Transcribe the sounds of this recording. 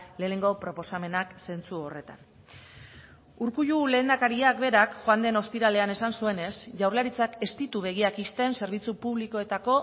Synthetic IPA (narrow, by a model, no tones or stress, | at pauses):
le̞ːne̞ŋɡo̞pɾo̞po̞same̞nakse̞nt͡suo̞re̞t̪a̰n | uɾkuʎule̞ːnd̪akaɾiakbe̞ɾakxoand̪e̞no̞spiɾale̞ane̞sansue̞ne̞sʝawɾlaɾit͡sake̞st̪it̪uβe̞ɣ̞iakist̪e̞nse̞ɾβ̞it͡supuβliko̞e̞t̪ako̞